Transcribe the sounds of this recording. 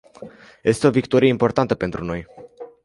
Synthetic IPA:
je̞st̪e̞o̞vikt̪o̞ɾije̞impo̞rt̪ant̪əpe̞nt̪ɾuno̞j

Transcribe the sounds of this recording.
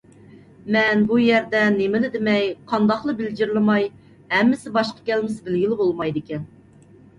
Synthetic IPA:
mɛnbujɛɾd̪ɛnemɪlɪd̪ɪmɛjqʰɑnd̪ɑχlˠɨbɪld͡ʒɪɾlɪmɑj | hɛmːɪsɪbɑʃqɑ̥kʲɛlmɪsbɪlɡʲilɪbolˠmɑjd̪ɪkʲɛn

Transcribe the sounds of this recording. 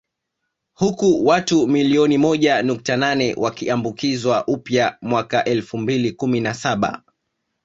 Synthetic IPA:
hukuwatumiliɔnimɔʄanuk̚tananɛwʔakiambukizwaʔupjamwakaʔɛlfumbilikuminasaɓa̰

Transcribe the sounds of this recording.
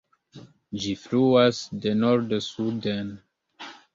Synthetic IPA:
d͡ʒifluasdenoɾdsuden

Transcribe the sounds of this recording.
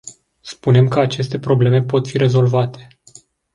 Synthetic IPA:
spune̞mkəat͡ʃe̞st̪e̞pɾo̞ble̞me̞po̞t̪fiɾe̞zo̞lvat̪e̞̥

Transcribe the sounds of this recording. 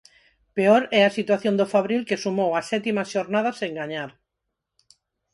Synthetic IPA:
peoɾɛasit̪waθjõnd̪ofaβɾilkesumowasɛt̪imaʃoɾnað̞aseŋɡaɲaɾ

